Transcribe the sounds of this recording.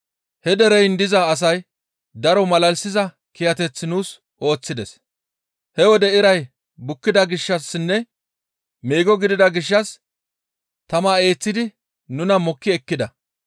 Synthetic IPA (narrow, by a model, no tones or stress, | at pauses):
hɛd̪ɛɾɛjnd̪ɪzɐːs̬ɐj | d̪ɐɾɔmɐlɐlsɪzɐ | kɪjɐt̪ɛt͡sːɪnuːs | ʔo̞ːt͡sːɪd̪ɛs | hɛwɔd̪ɛɪɾɐj | bʊkːɪd̪ɐɡɪʃːɐsːɪnːɛ | meːɡɔɡɪd̪ɪd̪ɐɡɪʃ̬ːɐs | t̪ɐmaːe̞ːt͡sːɪd̪ɪ | nʊnɐmɔkːɪɛkːɪd̪ɐ